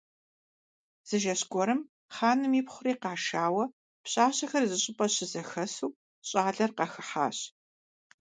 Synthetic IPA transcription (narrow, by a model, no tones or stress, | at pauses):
z̥ɨʒɐɕkʷɔɾɨm | χaːnɨmiːpχʷʊɾiːqɑːʃaːwɐ | pɕʼaːɕɐxɐrzɨɕʼɪpʼɐɕɪzɐxɐsuː | ɕʼaːɮɐrqɑxɨħa̰ːɕ